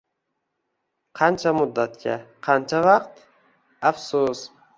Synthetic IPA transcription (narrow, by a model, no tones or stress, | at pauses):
qʰɑnt͡ʃʰamʊd̪ːat̪̚kʰʲa̰qʰɑnt͡ʃʰavɑqt̪ | afsus